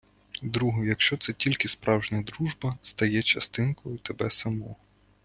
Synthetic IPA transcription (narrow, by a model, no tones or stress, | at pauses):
d̪ɾuɦɔjɐkʃt͡ʃɔt̪sɛtʲilʲkʲɪspɾɑwʒnʲɐd̪ɾuʒbɐst̪ɐjɛt͡ʃɐst̪ɪnkɔjʊt̪ebɛsɐmɔ